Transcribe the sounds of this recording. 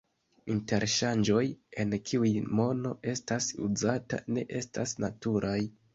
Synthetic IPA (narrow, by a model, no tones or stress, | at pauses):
inte̞ɾʃand͡ʒo̞je̞nkʰiujmo̞no̞ʔe̞stasṵzata̰ne̞ʔe̞stasnatuɾʔaj